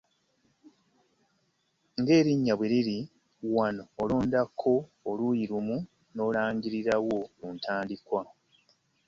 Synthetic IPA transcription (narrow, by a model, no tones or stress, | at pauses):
ŋɡe̞ːɾiɲːaβweɾiɾi | wano̞ːlo̞ːndakʰːo̞ːlujiɾumu | no̞ːlaːɲɟiɾiɾawo̞untʰaːndikwa